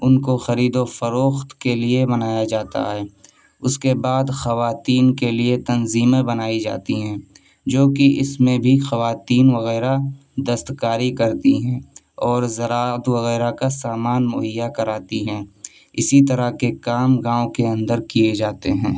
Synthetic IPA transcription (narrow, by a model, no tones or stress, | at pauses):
ʊnkoxɐɾiːd̪ofɐɾoːxt̪keliebɐnaːjad͡ʒaːt̪a̰ɦɛː | ʊskebaːd̪xɐʋaːt̪iːnkeliet̪ɐnziːmẽbɐnaːid͡ʒa̰ːt̪iɦɛ̃ː | d͡ʒoːkiɪsmẽbʱixɐʋaːt̪iːnʋɐɣɛːɾa | d̪əst̪kaːɾikɐɾt̪iɦɛ̃ː | ɔːɾzɐɾaːət̪ʋɐɣɛːɾakasaːmaːnmʊɦɪjːakɐɾaːt̪iɦɛ̃ː | ɪsit̪ɐɾakekaːmɡãːõkeɐ̃nd̪əɾkijed͡ʒaːt̪eɦɛ̃ː